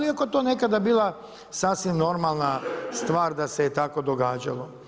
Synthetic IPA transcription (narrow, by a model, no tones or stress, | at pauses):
liako̞et̪oːne̞kad̪abiːlˠa | saːsʋimno̞ɾmalˠnast̪ʋaːɾd̪aseet̪ako̞d̪o̞ɡaːd͡ʒa̰lo̞